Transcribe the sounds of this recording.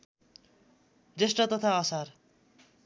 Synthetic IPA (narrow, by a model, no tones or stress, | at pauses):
d͡zesʈʌt̪ʌt̪ʰaʌsar